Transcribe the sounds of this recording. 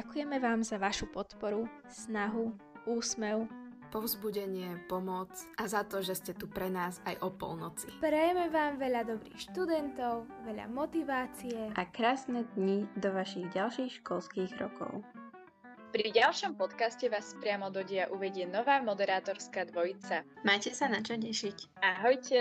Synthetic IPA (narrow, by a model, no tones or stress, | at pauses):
akujɛmɛʋaːmzaʋaʃupɔt̪pɔɾu | snaɦu | ʔuːsmɛʊ | pɔʊzbuɟɛɲɪɛpɔmɔt͡sʔazat̪ɔʒɛscɛt̪upɾɛnaːzajʔɔpɔ̰lnɔt͡sipɾɛjɛmɛʋaːmʋɛʎad̪ɔbɾḭːxʃt̪ud̪ɛnt̪ɔʊʋɛʎa̰mɔt̪iʋaːt͡sijɛʔakɾaːsnɛːd̪ɲid̪ɔʋaʃiɣɟalʃiːxʃkɔlskiːɣɾɔ̰kɔ̰ʊ | pɾiɟalʃɔmpɔt̪kascɛʋaːspɾɪamɔd̪ɔɟɪaʔuʋɛɟɪɛnɔʋaːmɔd̪ɛɾaːt̪ɔɾskaːd̪ʋɔjit͡samajcɛsanat͡ʃɔɲɛʃicaɦɔjcɛ